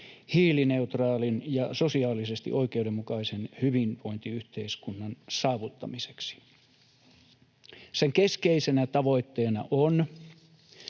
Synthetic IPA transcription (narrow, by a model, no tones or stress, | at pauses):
hiːline̞ut̪rɑːlinjɑsosiɑːlˑisest̪ḭʔoikeudemːukɑisenhyʋinʋo̞int̪iyht̪eiskunːɑnsɑːʋut̪ːɑmiseksi̥ | seŋkeskeisenæt̪ɑʋo̞it̪ːeːnɑ̰ʔon